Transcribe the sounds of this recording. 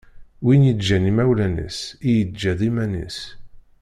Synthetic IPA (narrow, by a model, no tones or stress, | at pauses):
winjəd͡ʒænimæwlænə̰sijəd͡ʒːæðimænḭs